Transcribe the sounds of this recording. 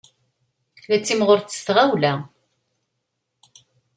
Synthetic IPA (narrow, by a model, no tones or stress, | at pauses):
læt͡sːimʁʊɾt͡sːəst̪ʁawlæ